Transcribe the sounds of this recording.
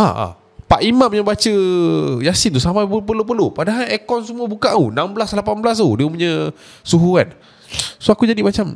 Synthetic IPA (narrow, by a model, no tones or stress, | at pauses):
a̰a̰ | paʔimãʔpuɲə̃bat͡ʃəjasint̪usamaəpərlop̬ərlopadaɦalɛkɔnsəmũəbukaʔunamblaslapanbəlas̬udiəpuɲə̃ | suɦuan | soakud͡ʒadimat͡ʃam